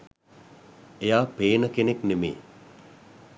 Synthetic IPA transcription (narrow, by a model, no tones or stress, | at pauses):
ejaːpeːnəkeneknemḛː